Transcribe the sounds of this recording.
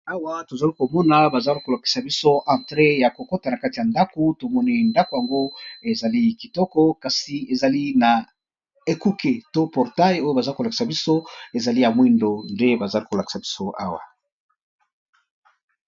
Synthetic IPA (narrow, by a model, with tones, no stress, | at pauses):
a˦wa˦to˨za˨li˦ko˨mɔ˦na˨ba˨za˦li˦ko˨la˨ki̥˨sa˨bi˦so˦ʔã˨tʁe˦ja˨ko˨kɔ˦ta˨na˨ka˦ti˨ja˨nda˦ko˨to˨mɔ˦ni˦nda˦ko˨ja˨ŋɡo˦e˨za˨li˦ki˨tɔ˦kɔ˦ka˨si˨e˨za˨li˦na˨ | e˨ku˦ke˨to˦pɔ˨ʁta˦jo˦jo˦ba˨za˦ko˨la˨ki̥˨sa˨bi˦so˦e˨za˨li˦ja˨mwi˦ndo˨nde˦ba˨za˦li˦ko˨la˨ki̥˨sa˨bi˦so˦a˦wa̰˨